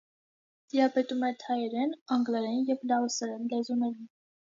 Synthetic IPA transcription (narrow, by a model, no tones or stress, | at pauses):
t̪ijɑpɛt̪umɛt̪ʰɑjɛɾɛnɑŋɡlɛɾɛnjɛvlɑɔsɛɾɛnlɛzunɛɾin